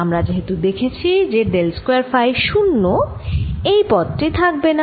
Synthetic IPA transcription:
amɾad͡ʑeɦet̪ud̪ekʰet͡ɕʰid͡ʑeɖelskoaɾfajʃunːo | ejpɔd̪ʈit̪ʰak̚bena

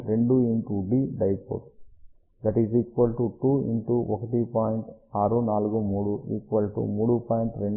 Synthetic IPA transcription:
ɾeɳɖuiɳʈuɖiːɖɐjpo̰ʈ | d̪ɐʈiːziːkʋɐlʈuʈuːḭɳʈuɔkɐʈipaːjɳʈaːɾunaːluɡumuːɽuʔiːkʋɐlʈṵmuːɽupaːjɳʈɾeɳɖ

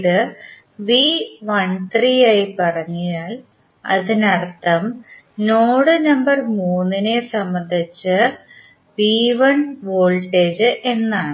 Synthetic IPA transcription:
ðɨ | ʋiʋɐɳt̪rijaːjipɐrɐɲːujaːl | ɐ̰ðinɐrt̪ːɐm | noːɽɨnɐmbɐrmuːnːinesɐmːɐnd̪ʱit͡ɕːɨ | ʋiːʋɐnʋoːlʈeːd͡ʑɨʔe̞nːaːɳɨ

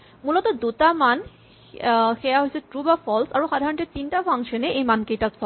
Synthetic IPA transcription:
mulɔtɔdutaman | xɛjaɦojsɛtɹubapʰɔlsaɹuxadʱaɹɔntɛtintapʰaŋʃɔnɛʔejmankejtaksʰɔ

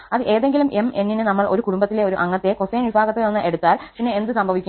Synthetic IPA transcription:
ɐðɨʔe̞ːðe̞ŋɡilumʔemʔe̞nːinɨnɐmːɐɭʔo̞ɾukuɽumbɐt̪ːileo̞ɾuʔɐŋːɐt̪ːe̞koseːnʋibʱaːɣɐt̪ːeonːɨʔe̞ɽut̪ːaːlpiɳːeend̪ɨsɐmbʱɐʋikʲː

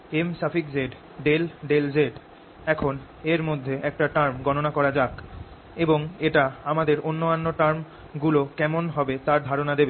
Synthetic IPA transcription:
emsafikd͡ʑeɖ | ɖelɖeld͡ʑeɖ | ɛkʰon | eɾmod̪ʱːeʔɛk̚ʈaʈaɾmɡɔnonakɔɾad͡ʑak | eboŋeʈaamad̪eɾonːoanːoʈaɾm | ɡulokɛmonɦɔbet̪aɾd̪ʱaɾonad̪ebe

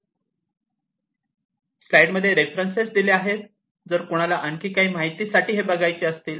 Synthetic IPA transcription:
slajɖməd̪ʱːjeɾefɾənsesd̪ileaɦet̪̚ | d͡zəɾkoɽ̃alaʔəɳkiːkaɦiːmaɦit̪iːsaʈʰiːɦebəɡʱajt͡seəst̪iːl

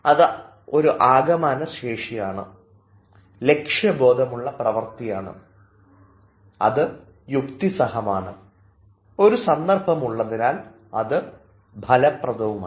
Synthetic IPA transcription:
ɐðɨ | o̞ɾuʔaːɡɐmaːnɐseːʂijaːɳɨ̰ | le̞kʂjɐbo̞ːd̪ʱɐmuɭːɐprɐʋɐrt̪ijaːɳɨ̰ | ɐ̰ðɨ | jukt̪isɐhɐmaːɳɨ | o̞ɾusɐnd̪ɐrbʱɐmuɭːɐðinaːl | ɐðɨ | bʱɐlɐprɐd̪ɐʋuma

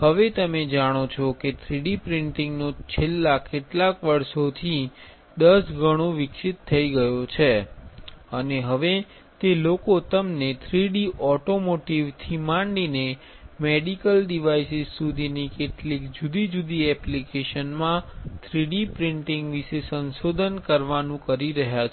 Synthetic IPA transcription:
ɦəʋet̪əmed͡ʒaɽ̃ot͡ʃʰɔket̪ʰɾiɖipɾɪɳʈɪŋɡnot͡ʃʰelːakeʈlakʋəɾʃot̪ʰi | d̪əsɡʱəɽ̃oʋɪkʃit̪ʰːəiɡəjot͡ʃʰe | əneɦəʋe | t̪elokot̪əmnet̪ʰɾiɽiʔɔʈomoʈiʋt̪ʰimãɳɖine | meɖikəlɖiʋaisizsud̪ʱinikeʈlikd͡ʒud̪id͡ʒud̪iɛplikeʃənmãt̪ʰɾiɽipɾɪɳʈɪ̃ŋɡʋiʃesənʃod̪ʱənkəɾʋanũkəɾiɾəɦjat͡ʃʰ

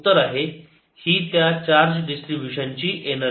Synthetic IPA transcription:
t̪ːəɾaɦe | hiːt̪jat͡ɕaɾd͡ʑɖisʈɾibjuɕənt͡ɕiːʔenə

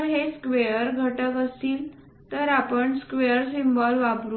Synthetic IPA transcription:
ɦeskʋejəɾɡʱəʈəkəst̪iːl | t̪əɾapəɳskʋejəɾsimbɔlʋapɾu

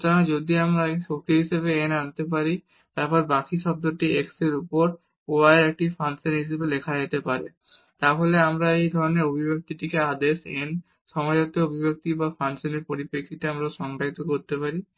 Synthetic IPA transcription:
t̪anad͡ʑod̪iamɾaʃok̚t̪iɦiʃeβeenant̪ep̬aɾi | t̪aɾpɔɾbakiʃɔb̚d̪oʈiekseɾupoɾ | oaeɾek̚ʈifanseɾɦiʃebelekʰad͡ʑet̪epaɾḛ | t̪aɦoleamɾaejd̪ʱɔɾoneɾobʱibek̚t̪iʈikead̪eʃen | ʃɔmad͡ʑat̪eobʱibek̚t̪ibafansoneɾpoɾipekʰːit̪iamɾaʃɔŋʈait̪okoɾt̪epaɾi

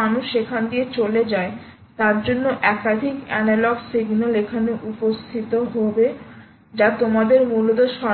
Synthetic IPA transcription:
anuʃekʰand̪iet͡ɕoled͡ʑae | t̪aɾd͡ʑonːoʔɛkad̪ʱikɛnalɔɡsiɡnolekʰanoʔupost̪ʰit̪oɦobe | d͡ʑat̪omad̪eɾmulot̪oʃɔ

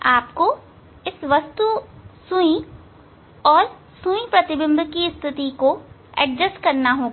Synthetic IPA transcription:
aːpko | ɪsʋɐst̪usʊ̃ĩ | ɔːɾ | sũĩpɾɐt̪ɪbɪ̃md̪ʱkiɪst̪ʰɪt̪iko | ɛ̰ɖ̚d͡ʒəskɐɾnaɦoːɡa

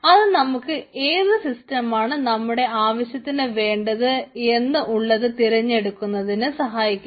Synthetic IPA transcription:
ɐðɨnɐmukːɨe̞ːðɨsistɐmaːɳɨnɐmːuɽe̞aːʋɐɕjɐt̪ːinɨʋe̞ːɳɖɐðɨe̞nːɨʔuɭːɐðɨt̪iɾɐɲːe̞ɽukːunːɐðinɨsɐɦaːjikʲːu

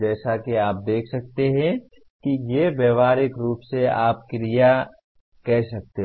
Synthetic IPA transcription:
d͡ʒɛːsakeaːp̚d̪eːkʰsɐk̚t̪eɦɛ̃ | kijebeːʋaːɾɪkɾuːpseaːp̚kɾija | kɛɦsɐk̚t̪e

